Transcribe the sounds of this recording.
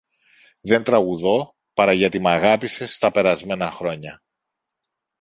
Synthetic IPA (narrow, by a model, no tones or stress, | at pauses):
ðe̞nt̪ɾɐɣuðo̞ | pɐɾɐʝɐt̪imɐɣɐpise̞st̪ɐpe̞ɾɐzme̞nɐxɾo̞ɲɐ